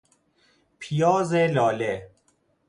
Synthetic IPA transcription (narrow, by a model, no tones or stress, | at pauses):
pʰijɒːzelɒːle